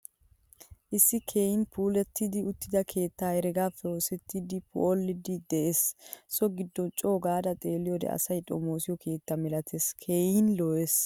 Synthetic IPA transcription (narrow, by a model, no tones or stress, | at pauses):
ʔɪsːɪkʰeːjɪnpʰuːlɛt̪ːɪd̪ɪʊt̪ːɪd̪ɐkʰe̞ːt̪ːaːɛɾɛɡaːfoːsɛt̪ːɪd̪ɪpʰʊ̰olːɪd̪ɪd̪ɛʔessɔɡɪd̪ːɔnt͡ʃʼo̞ːɡaːd̪ɐt̪ʼe̞ːlɪjɔd̪ɛ̰ɐ̰sɐjtʼo̰moːsɪjɔkʰe̞ːt̪ːɐmɛlɐt̪ʰeskʰejɪnloːes